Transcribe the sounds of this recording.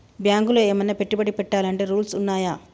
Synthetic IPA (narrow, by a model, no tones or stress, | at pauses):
bjaːŋɡuloːeːmɐnːɐpeʈːiubɐɽipɛʈːaːlɐɳʈe̞ːɾuːlsunːaːjaː